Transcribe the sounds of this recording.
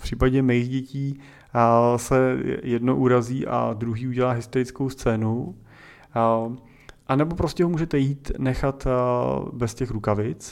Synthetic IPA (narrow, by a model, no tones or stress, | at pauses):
pr̝̥iːpaɟɛmɛjiɣɟɛciː | sɛjɛdnoʔuɾaziːʔa̰d̪ɾuɦiːuɟɛlaːɦɪst̪oɾɪt͡skowst͡sɛːnu | ʔanɛbo̞pɾoscɛɦomuːʒɛt̪ɛjiːt̪nɛxat̪ | bɛscɛxɾukavɪt͡s